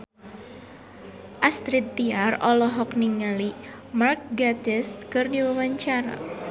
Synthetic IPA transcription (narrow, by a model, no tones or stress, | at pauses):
ʔast̪ɾit̪ːiarɔlɔɦɔk̚niŋali | mark̚ɡad̪ɛst̪kɨrdiwəwaɲt͡ʃaɾa̰